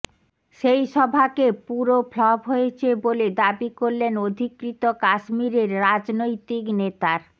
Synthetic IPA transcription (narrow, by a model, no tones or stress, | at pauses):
ʃejʃɔbʱakepuɾoflɔbɦoet͡ɕʰeboled̪abikoɾlenod̪ʱikɾit̪okaʃmiɾeɾːad͡ʑnojt̪iknet̪aɾ